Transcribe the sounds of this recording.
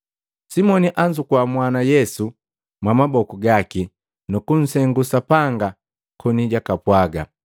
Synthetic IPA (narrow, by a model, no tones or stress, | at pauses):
simɔniʔaɲd͡ʒukwamwanajɛsu | mwamabɔkuɡaki | nukun̩sɛŋɡusapaŋɡa | kʰɔniɟakapwaɡa